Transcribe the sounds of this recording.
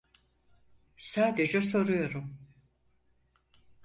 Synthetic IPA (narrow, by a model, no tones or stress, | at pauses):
saːd̪ed͡ʒɛs̬o̞ɾujo̞ɾum